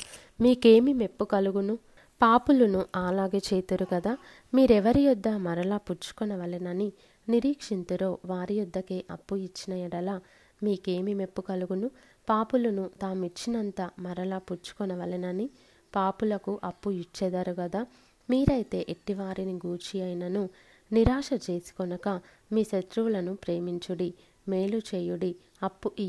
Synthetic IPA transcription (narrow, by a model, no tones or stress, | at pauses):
miːke̞ːmime̞pːukɐluɡunu | paːpulɐnuʔaːlaːɡeːt͡ʃeːt̪uɾuɡɐd̪aː | miːɾɛʋɐɾijud̪ːɐmɐɾɐlaːput͡ʃu̥kɔnɐʋɐlinɐni | niɾiːkʂint̪uɾo̞ːʋaːɾijud̪ʱːɐkeːʔɐpːuit͡ʃːinɐjɐɽɐlaː | miːke̞ːmime̞pːukɐluɡunu | paːpulɐnut̪aːmuit͡ʃːinɐnt̪ɐmɐɾɐlaːput͡ʃːu̥kɔnɐʋɐlɐnɐni | paːpulɐkuʔɐpːuit͡ʃːɛd̪ɐɾuɡɐd̪a | miːɾɐjit̪e̞ːʔeʈːiʋaːɾiniɡuːɾt͡ʃijɐjnɐnu | niɾaːʂɐt͡ʃe̞ːsi̥kɔnɐkɐ | miːʃet̪ɾuʋulɐnupɾe̞ːmiɲt͡ʃuɽi | me̞ːlut͡ʃeːjuɽi | ɐpːuʔi